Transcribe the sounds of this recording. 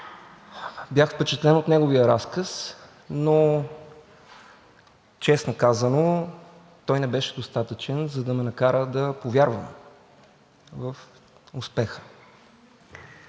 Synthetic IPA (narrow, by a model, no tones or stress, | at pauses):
bʲjaxfpɛt͡ʃɛt̪lɛnot̪nɛɡoviəɾaskəs | no | t͡ʃɛsnokazəno | t̪ɔjnɛbɛʃɛd̪ost̪at̪ət͡ʃɛnzɐd̪ɐmɛnɐkaɾəd̪ɐpovjaɾvə̰m | vəf | ʊspɛxə̥